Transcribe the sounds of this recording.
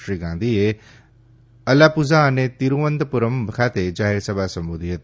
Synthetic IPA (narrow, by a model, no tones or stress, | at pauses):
ʃɾiːɡãːnd̪ie | ɐlaːpʊzanẽt̪iɾũʋə̃nd̪pʊɾəmbkʰaːt̪ed͡ʒaːɦeɾsəbaːsɐ̃mbud̪ijət̪